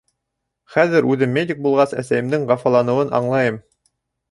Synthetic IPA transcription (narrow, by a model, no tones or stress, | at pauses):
χæðɘɾʉðɘmːʲedʲik̚bulˠʁɑsæ̰sæjɘ̆md̪ɘŋʁɑfɑlˠɑnɤ̆wɤnɑ̰ɴlˠɑjɤm